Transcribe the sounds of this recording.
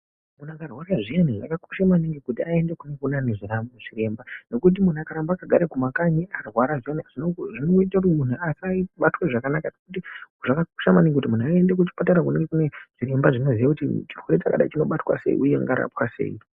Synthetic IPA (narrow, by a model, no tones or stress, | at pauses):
munakarwaɾaʐijeniʐa̰kako̥ʃamaniŋɡekutiae̞nde̞kunokunaneʐiramoʐ̥ire̞mbano̞kut̬imun̤uakaɾambakaɡʱaɾekumakaɲiʔarwaɾaʐieniaʐ̥inoʐinoɡoitak̬utmun̤uasaiɓatweʐakanakanokut̬iʐakako̥ʃamaniŋɡekutimunuaende̞k̬ut͡ʃi̥pataɾak̬uneŋɡekune̞ʐ̥iɾe̞mbaʐino̞zijakutit͡ʃirweɾet͡ʃaka̰ɗa̰it͡ʃino̞ɓatwa̰se̞̰ḭʔujea̰ŋɡa̰ɾa̰pwase̞̰i